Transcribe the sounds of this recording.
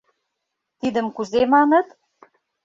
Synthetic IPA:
t̪id̪ə̆mkuzemɑnɤ̆t̪

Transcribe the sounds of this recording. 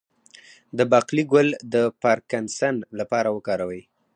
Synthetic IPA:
d̪əbɑqliɡʊld̪əpaɾkansanlapɑɾawəkɑɾawəj

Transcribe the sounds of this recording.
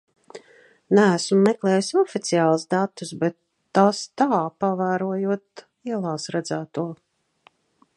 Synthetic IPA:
nææsumːɛklˠɛːjusɔfit̪sijaːlˠuzd̪at̪ːusbɛt̪ː | ast̪aːpavæːɾuɔjuɔt̪ | iɛlˠaːsɾɛd̪zæːt̪uɔ

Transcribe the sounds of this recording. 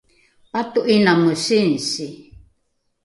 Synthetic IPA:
pat̪uʔinamusinsi

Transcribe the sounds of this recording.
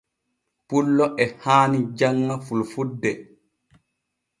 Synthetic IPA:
pulːɔʔɛhaːnid͡ʒaŋːafulfudːɛ

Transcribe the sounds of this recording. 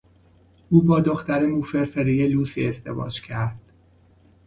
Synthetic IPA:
uːbɒːd̪oxt̪æɾemuːfeɾfeɾijeluːsḭezd̪e̞̰vɒ̰ːd͡ʒcʰæɾd̪̥

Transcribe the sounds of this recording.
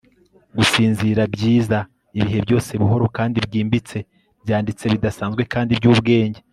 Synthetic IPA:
ɡusiːnziɾabɟiːza | iβiɦe̞bjo̞ːse̞βuɦo̞ɾo̞kaːndibɟiːmbit͡se̞ | bjaːndit͡se̞βidasaːnzɡwe̞kaːndibjɟuːβɡe̞ːɲɟe

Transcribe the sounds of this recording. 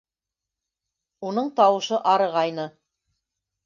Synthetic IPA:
unɤɴt̪ɑwɤ̆ʃɤʔɑɾɤ̆ʁɑjnɤ

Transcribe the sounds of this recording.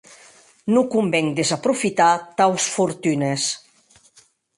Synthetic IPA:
nukumbɛŋd̪ezapɾufit̪at̪awsfuɾt̪ynes

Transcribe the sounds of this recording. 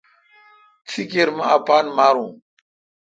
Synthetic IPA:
t͡sʰikeɾmãapaːnmaːɾũː

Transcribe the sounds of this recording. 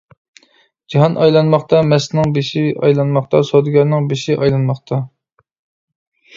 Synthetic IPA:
d͡ʒɑɦɑnʔɑjlˠɑnmɑχt̪ɑmɛsnɪŋbeʃiɑ̰jlˠɑnmɑχt̪ɑsod̪ɨɡʲɑɾnɨŋbeʃiʔɑjlˠɑnmɑχt̪ʰɑ

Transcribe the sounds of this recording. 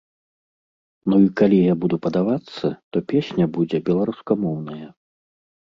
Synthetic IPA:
nuikalʲijabud̪upɐd̪avat̪sːɐt̪ɔpʲesʲnʲɐbud͡zʲɛbʲɛlˠaɾuskamɔwnɐjɐ

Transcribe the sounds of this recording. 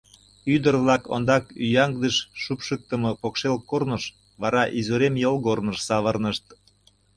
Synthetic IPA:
yd̪ərβlɑko̰nd̪ɑkyjɑŋɡd̪əʃːupʃək̚t̪ə̆mɤpokʃelkornəʃ | βɑɾɑʔizuɾemjəlɣornəʃsɑβərnəʃt̪̚

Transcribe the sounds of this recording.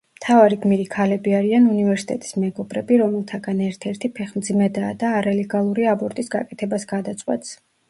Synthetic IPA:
t̪ʰavaɾiɡmiɾikʰalɛbiaɾianunivɛɾsi̥t̪ʼɛt̪ʼi̥smɛɡɔbɾɛbiɾɔmɛlˠt̪ʰaɡanɛɾt̪ʰɛɾt̪ʰipʰɛχmd̪zimɛd̪aːd̪aːɾalɛɡalˠuɾiabɔɾt̪ʼisɡa̰kʼɛt̪ʰɛbasɡad̪at̪sʼwɛ̰t̪s

